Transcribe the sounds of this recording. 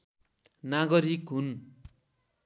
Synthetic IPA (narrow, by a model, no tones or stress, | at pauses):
naɡʌɾikɦun